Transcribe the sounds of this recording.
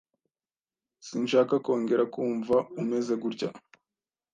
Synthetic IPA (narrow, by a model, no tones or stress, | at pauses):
siːnʃaːkako̞ːŋɡe̞ɾakuːɱvaume̞ze̞ɡuɾɟa̰